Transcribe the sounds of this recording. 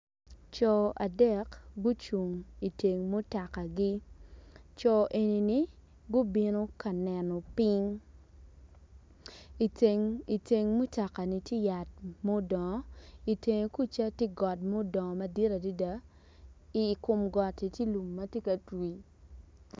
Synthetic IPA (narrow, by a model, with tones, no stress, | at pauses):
t͡ʃɔ˨a˨dɛ˦˨kɡu˦t͡ʃu˨ŋi˨te˨ŋmo˦ta˨ka˨ɡi˦ | t͡ʃɔ˨ʔe˨ni˨ni˨ | ɡʊ˦bi˦no˦ka˨nɛ˨nɔ˨pi˦ŋ˨ | ŋi˨te˨ŋmo˦ta˨ka˨ni˨tje˦ja˨t̚mo˦dɔ˨ŋɔ˨˦i˨te˨ŋe˨ku˦t͡ʃa˦tje˦ɡɔ˨t̚mo˦dɔ˨ŋɔ˨mɐ˦di˦ɾa˨di˦da˨˦ | i˨kʊ˨mɡɔ˨ti˨tje˦lu˨mːɐ˦tje˦kɐ˨twi˨